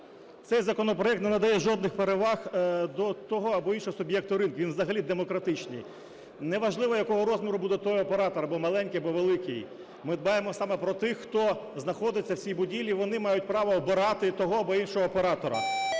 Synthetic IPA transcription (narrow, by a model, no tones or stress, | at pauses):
t̪sɛjzɐkɔnɔpɾɔɛk̚t̪nenɐd̪ɐjɛʒɔd̪nɪxpeɾeʋɑxd̪ɔt̪ɔɦɔɐbɔinʃɔɦɔsʊbjɛk̚t̪ʊɾɪnkʋinʋzɐɦɐlʲid̪emɔkɾɐt̪ɪt͡ʃnʲḭj | nɛʋɐʒlˠɪʋɔjɐkɔɦɔɾɔzmʲiɾʊbud̪ɛt̪ɔjɔpeɾɑt̪ɔɾɐbɔmɐlˠɛnʲkɪjɐbɔʋelˠɪkɪj | mɪd̪̚bɑjemɔsɑmɛpɾɔt̪ɪxːt̪ɔznɐxɔd̪ɪt͡sʲːɐwsʲijbʊdʲilʲiʋɔnɪmɑjʊt̚ʲpɾɑʋɔːbɪɾɑt̪ɪt̪ɔɦɔɐbɔinʃɔɦɔːpeɾɑt̪ɔɾɐ̰